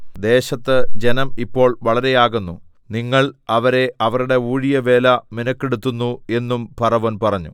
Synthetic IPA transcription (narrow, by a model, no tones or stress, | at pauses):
d̪e̞ːɕɐt̪ːɨd͡ʑe̞nɐmipːo̞ːɭʋɐɭɐɾe̞jaːɣunːu | niŋːɐɭɐʋɐɾe̞ɐʋɐruɽe̞uːɻijɐʋe̞ːlɐminɐkːeɽut̪ːunːue̞nːumpɐrɐʋonpɐrɐɲːṵ